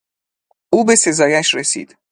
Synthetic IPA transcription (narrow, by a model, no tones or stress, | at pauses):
uːbe̞se̞zɒːjæʃresḭːd̪̥